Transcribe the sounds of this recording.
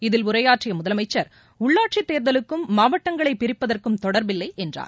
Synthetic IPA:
ɪðɪlʊɾɐjaːʈrɪjɐmʊðɐlɐmɐɪt͡ʃːɐɾ | ʊɭːaːʈt͡ʃit̪ːeːɾðɐlɯkːɯmːaːʋɐʈːɐŋɡɐɭɐɪpːɪɾɪpːɐðɐrkɯmt̪ɔɽɐɾbɪlːɐɪʔɛndra̰ːɾ

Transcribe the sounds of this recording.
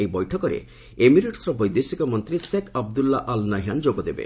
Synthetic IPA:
ejbɔjʈʰɔkɔɾḛ | emiɾeʈsɾɔbɔjd̪esikɔmɔnt̪ɾisekʰab̚d̪ulːaʔalnaɦand͡ʒoɡɔd̪ebḛ

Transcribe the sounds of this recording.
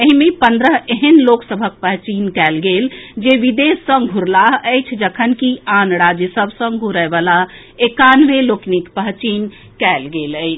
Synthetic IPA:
əɦimepənd̪ɾəɦeɦənloksəbʱək̚pəɦt͡ʃinkɛlɡeld͡ʒeʋid̪esə̃ŋɡʱuɾlaɦəjt͡ʃʰd͡ʒəkʰənkianɽad͡ʒəsəbʱsə̃ŋɡɡʱuɾəɪbala | ekanʋeloknikpəɦt͡ʃin | kɛlɡeləɪt͡ʃʰ

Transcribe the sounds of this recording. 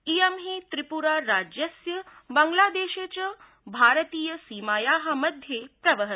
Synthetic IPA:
ijɐmɦiːt̪ɾipuɾaːɾaːd͡ʒjɐsjəbɐŋɡlaːd̪eːʃet͡ɕɐ | bʱaːɾət̪iːjəsiːmaːjaːɦɐmɐd̪ʱjepɾɐʋəɦə

